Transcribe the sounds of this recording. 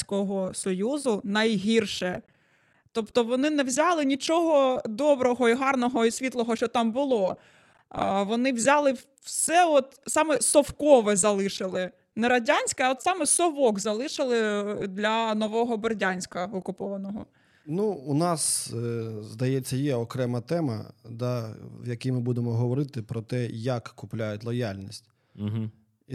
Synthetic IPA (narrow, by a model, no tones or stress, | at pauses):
kɔɦɔsɔjuzʊnɐjɦʲirʃɛ | t̪ɔpt̪ɔʋɔnɪnɛwzʲɑlˠɪnʲit͡ʃɔɦɔd̪ɔbɾɔɦɔiɦɑrnɔɦɔisʲʋʲit̪lˠɔɦɔʃt͡ʃɔt̪ɑmbʊlˠɔ | ʋɔnɪwzʲɑlˠɪ | wsɛɔt̪sɑmɛsɔwkɔʋɛzɐlˠɪʃɪlˠɪ | nɛɾɐdʲanʲsʲkɐɔt̪sɑmɛsɔʋɔɡzɐlˠɪʃɪlˠɪd̪lʲɐnɔʋɔɦɔbɪrdʲanʲsʲkɐɔkʊpɔʋɐnɔɦɔ̰ | nuunɑs | zd̪ɐjɛt͡sʲːɐjɛɔkɾɛmɐt̪ɛmɐ̰d̪ɑwjɐkimɪbud̪emɔɦɔʋɔɾɪt̪ɪpɾɔt̪ɛjɐkːʊplʲajʊtʲlˠɔjalʲnʲisʲt̩ʲ | ɦ̩ | i